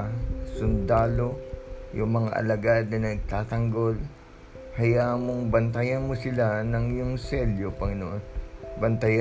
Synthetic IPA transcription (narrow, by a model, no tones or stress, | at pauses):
sʊnd̪aːlo̞jʊŋmɐŋa̰ʔɐ̰lɐɡad̪̚nɐnɐɡ̚t̪aːt̪ɐŋɡo̞l | hɐjaːʔmoŋbɐnt̪ɐjɐnmosɪlanɐŋjʊŋsɛljopɐŋɪnoʔonbɐnt̪ɐja